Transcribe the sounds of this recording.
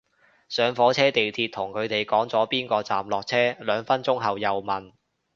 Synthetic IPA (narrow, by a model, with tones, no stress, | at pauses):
sœː˨˧ŋfɔː˨˥t͡sʰɛː˥t̪e˨jt̪ʰiː˧t̚t̪ʰʊ˨˩ŋkʰɵ˨˧t̪e˨jkɔː˨˥ŋt͡sɔː˨˥piː˥nkɔː˧t͡sa̰ː˨mlɔː˨k̚t͡sʰɛː˥lœː˨˧ŋfɐ˥nt͡sʊ˥ŋɦɐ˨wjɐ˨wmɐ˨˩n